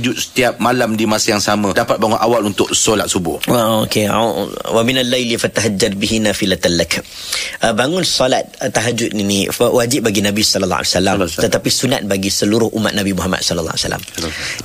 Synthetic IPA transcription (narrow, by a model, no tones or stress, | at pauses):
d͡ʒʊt̪̚sə̥t̪iap̚malamdimasajaŋsamə̃dapat̪̚baŋʊnʔawalunt̪ʊk̚solat̪̚subʊ̰haokḛwaminalːajlifat̪aɦad͡ʒarbiɦinafilat̪anlak | əbaŋʊnsɔlat̪̚t̪ːaɦad͡ʒʊt̪̚niniwad͡ʒɪʔ̚baɡinabisɔləl̰ːa̰lsalamt̪ət̪apisuna̰t̪̚baɡisəluɾʊhʔumːa̰t̪̚nabimuɦama̰t̪̚sɔləl̰ːa̰sa̰la̰m